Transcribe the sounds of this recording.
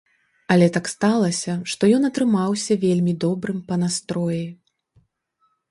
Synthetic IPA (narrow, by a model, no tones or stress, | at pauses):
ɐlʲɛt̪akst̪alˠɐsʲɐʂt̪ɔjɔnɐt̪ɾɨmawsʲɐvʲelʲmʲid̪ɔbɾɨmpɐnast̪ɾɔji